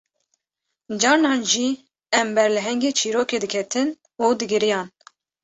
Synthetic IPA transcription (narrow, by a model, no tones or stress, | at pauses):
d͡ʒɑːɾnɑːnʒi | ɛmbɛɾlɨɦɛŋɡeːt͡ʃʰiːɾoːkeːd̪ɨkʰɛt̪ʰɨn | uːd̪ɨɡɨɾijɑːn